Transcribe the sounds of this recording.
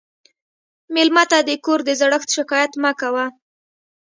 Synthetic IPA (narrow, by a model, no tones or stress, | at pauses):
melmat̪ad̪əkoɾd̪əzaɽəxt̪ʃɪkɑjat̪makawa